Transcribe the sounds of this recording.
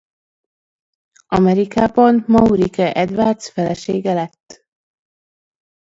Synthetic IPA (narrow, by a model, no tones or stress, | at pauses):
ɒmɛɾikaːbɒnmɒuɾikɛʔɛd̪vaːrt̪sfɛlɛʃeːɡɛlɛt̪ː